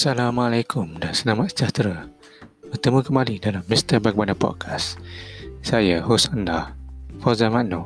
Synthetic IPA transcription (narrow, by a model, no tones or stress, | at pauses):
salamalajkʰʊmdansənamat̪̚sə̥d͡ʒat̪ɾa | bərt̪əmũkəmalidalamːist̪ərbak̚banapɔ̰d̚kʰas | sajəhɔsandahfɔzamanu